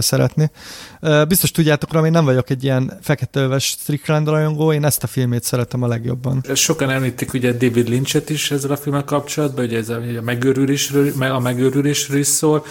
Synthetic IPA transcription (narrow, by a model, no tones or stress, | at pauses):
sɛɾɛ̰t̪neøːbist̪o̞ʃt̪uɟːaːt̪o̞krɒmeːnːɛɱvɒɟo̞kɛɟːijɛnfɛkɛt̪ɛøvɛʃt̪riklɛnd̪lɒjoŋɡoːeːnɛst̪ɒfilmeːt̪sɛɾɛt̪ɛmɒlɛɡjo̞̰bːɒ̰nʃo̞kɒnɛmliːt̪ːikuɟɛd̪eːvid̪lint͡ʃɛt̪iʃɛzːɛlɒfilmɛlkɒp̚t͡ʃolɒd̪̚bɒuɟɛɛzːɛmɛɡøːɾyleːʃrømɛɒmɛɡøːɾyleːʃɾøliʃsoːl